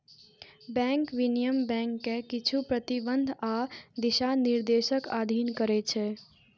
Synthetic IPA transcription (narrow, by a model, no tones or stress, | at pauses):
bɛ̃ŋkʋinijəmbɛ̃ŋkːekit͡ʃʰupɾət̪ibənd̪ʱad̪iʃaniɾd̪eʃəkad̪ʱinkəɾɛt͡ʃʰɛ